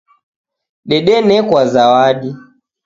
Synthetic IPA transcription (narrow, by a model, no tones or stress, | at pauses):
ɗɛɗɛnɛkwazawaɗi